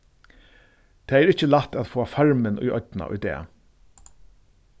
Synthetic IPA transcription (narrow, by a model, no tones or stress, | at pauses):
t̪ʰɛːɛːɾɪht͡ɕəlat̪æt̪foːafaɹmɪnʊ̰jɔ̰t̪na̰ʔʊ̰jd̪ɛ̰ː